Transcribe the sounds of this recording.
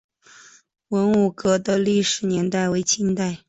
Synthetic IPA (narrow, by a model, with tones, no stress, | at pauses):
wə˧˥nu˨˩kɤ˧˥d̪ə˧li˥˩ʂɻ̩˨˥njɛ˧˥nt̪a˥˩ɪwe˧˥ɪt͡ɕʰi˥ŋt̪a˥˩ɪ